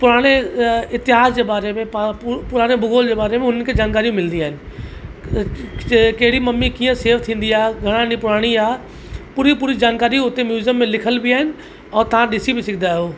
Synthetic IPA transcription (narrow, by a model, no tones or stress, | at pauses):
pʊɾaːɽ̃eɪt̪ɪɦaːsd͡ʑeːbaːɾemẽpapʊɾaːɽ̃ebʊɡoːld͡ʑeːbaːɾemẽɦʊnənkʰeːd͡ʑaːnkaːɾijũmɪlənd̪iaːɦɪnɪ̆ | kɐɦɪɽimɐmːikĩːə̃seːʋt̪ʰĩːn̆d̪iaːɦɡʱɐɽ̃ãnĩpʊɾaːɽ̃iaː | puːɾipuːɾid͡ʑaːnkaːɾijʊt̪emjuːzjəmːẽlɪkʰəlbɪaːɦɪnɪ̆ | ɛːt̪ɐʋãɗɪsibɪsɪkʰɪd̪aːɦjoː